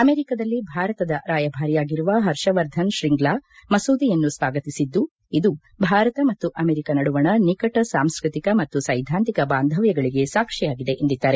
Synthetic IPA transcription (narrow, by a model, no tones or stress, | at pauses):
ɐmeːɾikɐd̪ɐlːibʱaːɾɐt̪ɐd̪ɐɾaːjɐbʱaːɾijaːɡiɾuʋɐɦɐɾʂɐʋɐɾd̪ʱɐnʃɾiŋɡlaːmɐsuːd̪ijɐnːusʋaːɡɐt̪isid̪ːu | id̪u | bʱaːɾɐt̪ɐmɐt̪ːuʔɐmeːɾikɐnɐɽuʋɐɳɐnikɐʈɐsaːmskɾit̪ikɐmɐt̪ːusɐjd̪ʱaːnt̪ikɐbaːnd̪ʱɐʋjɐɡɐɭiɡe̞saːkʂɛjaːɡid̪e̞ʔend̪id̪ːaːɾe̞